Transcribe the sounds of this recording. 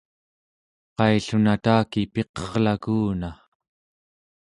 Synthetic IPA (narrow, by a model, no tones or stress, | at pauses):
qɑjɬunat̪aːkipe̞qʌʁlakuːna